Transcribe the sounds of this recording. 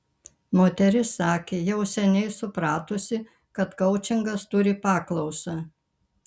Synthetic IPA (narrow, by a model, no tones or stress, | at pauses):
moːt̪ʲɛɾʲɪsɑːkʲeːjɛʊsʲɛnʲɛɪsʊpɾɑːt̪osʲɪ | kɐt̪kɐʊt͡ʃʲɪŋɡɐst̪ʊɾʲɪpɑːklˠɐʊsɑ